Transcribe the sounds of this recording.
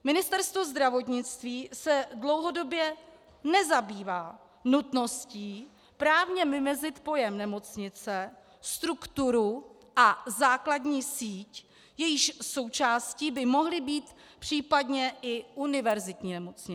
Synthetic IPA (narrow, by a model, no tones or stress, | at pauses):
mɪnɪst̪ɛɾst̪vo̞zd̪ɾavo̞t̪ɲɪt͡st̪viːsɛdlo̞wɦo̞do̞bjɛ | nɛzabiːvaː | nut̪no̞sciː | pɾaːvɲɛmɪmɛzɪt̪po̞jɛmnɛmo̞t͡sɲɪt͡sɛ | st̪ɾukt̪uɾu | ʔazaːkladɲiːsiːc | jɛjɪʃso̞wt͡ʃaːsciːbɪmo̞ɦlɪbiːt̪ | pr̝̥iːpadɲɛʔɪʔunɪvɛɾzɪt̪ɲiːnɛmot͡sɲɪ